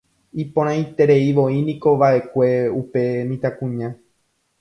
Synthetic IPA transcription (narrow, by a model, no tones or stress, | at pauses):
ipõɾ̃ãj̃t̪e̞ɾe̞iʋo̞inĩko̞ʋaʔe̞kʷe̞upe̞nĩt̪akũɲã